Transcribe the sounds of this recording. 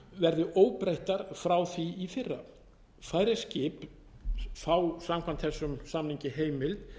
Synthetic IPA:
vɛɾðʏʔoːwpɾejht̪aɾ̥fɾawθviːfɪrːa | faːjɾɪscɪːp | faːwsamkʰvant̪θɛsːʏmsamniɲcɪɦeːjmɪlt̪

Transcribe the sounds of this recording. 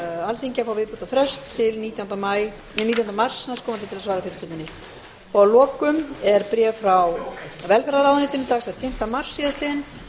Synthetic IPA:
alθiɲcafawvɪðpuːt̪afɾɛst̪ʰːɪlniːt̪jawnt̪amaj | nit̪̬jawnamar̥snanskʰɔːmant̪ɪt̪ʰɪlasvaːɾafɪɾɪ̥ɾ̥fɪlɪnːɪ | pɔðalɔːkʏmɛɾpɾjɛfɾawvɛlfɛɾaɾawðnɪt̪ʏnːɪt̪ʰaːɣsaðt̪ʰɪm̥t̪amar̥sːiðast̪lɪːɪn

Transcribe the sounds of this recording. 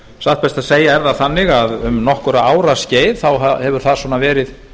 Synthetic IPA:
saht̪pɛst̪aðseːjaɛɾðaθanːɪɣaðʏmnɔhkʏɾaaːwɾasceːjðθawahɛvʏɾ̥θaðsvɔnavɛːɾɪð

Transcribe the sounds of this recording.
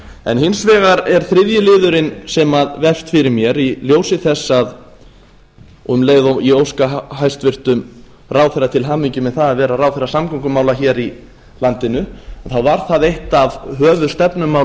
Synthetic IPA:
ɛ̰nɦɪnsvɛːɣaɾɛɾ̥θɾɪðjʏlɪːðʏɾɪnsɛmaðvɛfst̪fɪɾɪɾmjɛɾiljoːwsɪθɛsːað | ɔmleːjðoiowskaɦajst̪vɪr̥t̪ʏm | raːwθɛrat̪ʰɪlɦaːmiɲcʏmɛðθaðaðvɛːɾaraːwθɛrːasamkɔŋkʏmaːwlaçɛːɾi | lant̪ɪnʏaθawvaɾ̥θaðejht̪avɦœːvʏðst̪ɛpnʏmːaw

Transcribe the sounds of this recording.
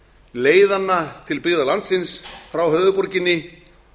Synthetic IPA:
leːjðanːat̪ʰɪlpɪɣðalant̪sɪnsfɾawɦœððʏpɔɾcɪnːɪ

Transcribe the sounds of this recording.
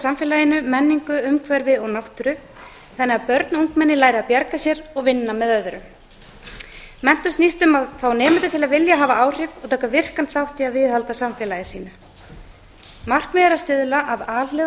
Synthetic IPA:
samfɛːlajɪnʏmɛnːiŋkʏʏmkʰvɛɾvɪɔɣnawht̪ʏɾʏ | θɛnːɛɣaðpœɾt̪nuŋkmɛnːɪlaːjɾapjaɾkasjɛɾɔɣvɪnːamɛðœðʏɾʏm | mɛn̥t̪ʏst̪nist̪ʏmaðfaːwnɛːmɪnt̪ɪ̥t̪ʰɪlaðvɪljaɦaːvaaːwr̥ɪvɔɣt̪ʰaːkavɪr̥kanθawht̪ɪaðvɪðhalt̪asamfjɛlajɪsiːnʏ | mar̥kmɛðɾast̪ɪðlaʔaðaːlɛ

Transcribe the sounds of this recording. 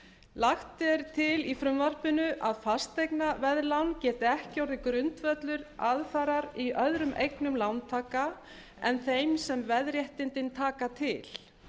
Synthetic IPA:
laxt̪ɛɾ̥t̪ʰɪlifɾʏmvar̥pɪnʏʔaðfast̪ejknavɛðlawncɛːt̪ɪɛhcawɾðɪkɾʏnt̪vœt̪lʏɾaðfaɾaɾiʔœðɾʏmʔejknʏmlawnt̪ʰaːka | ɛ̰nθejmsɛmvɛðɾjɛht̪ɪnt̪ɪnt̪ʰaːkat̪ʰɪl̥

